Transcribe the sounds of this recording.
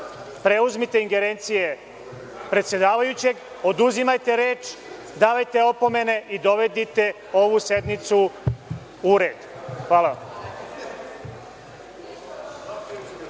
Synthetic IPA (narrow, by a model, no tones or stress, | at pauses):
pɾe̞uzmit̪eiŋɡe̞ɾeːnt̪sije̞ | pɾet̪sje̞d̪aːʋajut͡ɕe̞ɡ | o̞d̪uzimajt̪e̞ɾeːt͡ʃ | d̪aːʋajt̪e̞o̞po̞me̞ne̞ʔid̪o̞ʋe̞d̪it̪e̞ | o̞ʋuse̞d̪mit̪su | uɾe̞ːd̪xʋaːlaʋa̰m